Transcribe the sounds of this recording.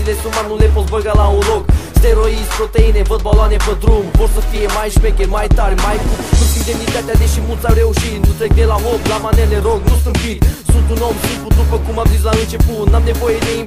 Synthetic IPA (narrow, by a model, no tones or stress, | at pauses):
ilesumanulepot̪bəɡalaulokst̪eɾoispɾot̪einevəd̪̚baloanepəd̪ɾumpoɾsəfijemajʃpekenmajt̪aɾʲmajkusut̪ind̪emnit̪at̪ʲjad̪eʃimult̪samɾeuʃit̪nt̪ut̪ek̚d̪elaɦoblamaneleɾoɡnusɨnt̪fit̪ʲsũnt̪unomsũn̚put̪nupəkumamzizlaɨnt͡ʃepunamnevojed̪ei